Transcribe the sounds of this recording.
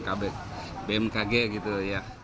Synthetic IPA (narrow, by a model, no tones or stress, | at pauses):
kabɛk̚ | bɛmkaɡɛɡit̪uja